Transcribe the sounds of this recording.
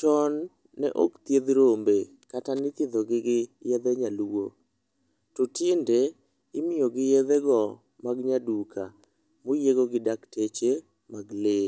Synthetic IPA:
tɔnː | ɛ̰ʔo̰kt̪jed̪ɾombe | katanɪt̪jed̪oɡɪɡɪjed̪eɲalwo | tɔtinde | ɪmɪjoɡɪjeðeɡɔ | maɡɲadukʰa | mojeɡoɡɪdaktet͡ʃe | maɡle

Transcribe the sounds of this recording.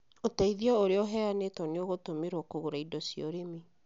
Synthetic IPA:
otaiðiɔoɾeɔɦɛanetɔneoɣotomeɾwɔkoɣoɾaidɔsiɔɾemi

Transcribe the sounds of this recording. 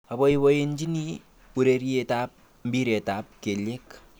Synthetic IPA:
aβoiβoend͡ʒini | uɾeɾietap̚ | m̩biɾetap̚kelek

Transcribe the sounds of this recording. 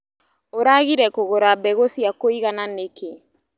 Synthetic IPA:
oɾaɣiɾɛkoɣoɾabɛɣosiakoiɣananeke

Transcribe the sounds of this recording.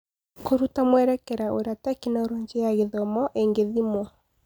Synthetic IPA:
koɾutamwɛɾɛkɛɾaʔoɾatakinaoɾoːɲd͡ʒejaɣeðɔmɔʔeŋɡeðimwɔ

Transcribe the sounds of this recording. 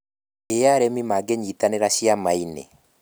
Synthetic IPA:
ejaɾɛmimaɡeɲitaneɾaʃiamainḛ

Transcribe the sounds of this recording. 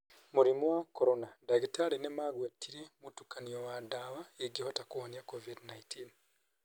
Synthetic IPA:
muɾimwakoɾonadaɡitaɾinemaɡwetʰiɾemutukaniowadaβaeɡihotakuhonjakovidnaitʰin

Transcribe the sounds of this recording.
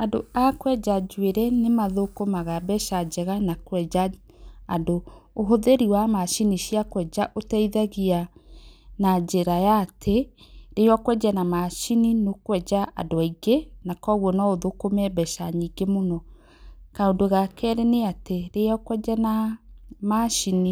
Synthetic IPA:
adoakwɛd͡ʒad͡ʒweɾɛnemaðokomaɣabɛʃad͡ʒɛɣanakwɛa | adoːɦoðeɾiwamaʃiniʃiakwɛd͡ʒaʔotɛiðaɣia | nad͡ʒeɾajatʰeɾejɔkwɛd͡ʒɛnamaʃininokwɛd͡ʒaʔa̰doaiɡenakɔɣwɔnɔoðokomɛbɛʃaɲiɡemonɔ | kaondoɣakɛɾɛneateɾejɔkwɛd͡ʒɛna | maʃini

